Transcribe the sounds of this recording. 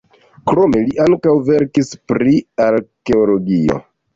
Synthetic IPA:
kɾo̞me̞liʔaŋkawve̞ɾkispɾiaɾke̞olo̞ɡio̰

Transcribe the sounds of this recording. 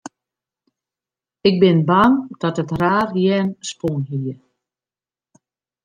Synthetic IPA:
ɪɡ̚bɪnband̥ɔtətraːrjɛːnspunɦiə

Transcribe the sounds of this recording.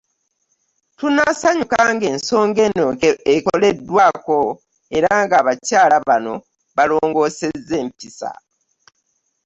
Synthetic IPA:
tunasaɲukaŋɡe̞ːnso̞ːŋɡe̞noekole̞dːwaːko̞ | eɾaŋɡaːβacaːlaβano̞ | βalo̞ːŋɡo̞ːse̞zːe̞ːmpisa̰

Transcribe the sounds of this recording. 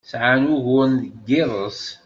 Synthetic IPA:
sʕanuɣʊnɡɪɾˤəs

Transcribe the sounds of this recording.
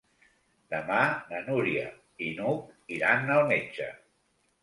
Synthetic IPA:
d̪əmanənuɾiə̰ | inukiɾanːəlˠmed͡ʒə̰

